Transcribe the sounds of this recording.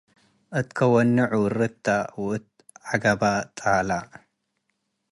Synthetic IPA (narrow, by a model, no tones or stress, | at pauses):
ʔɨt̪kʰɐwɔnːɨʕuɾɨt̪ʰːawɨt̪̚ | ʕaɡabat̪ʼala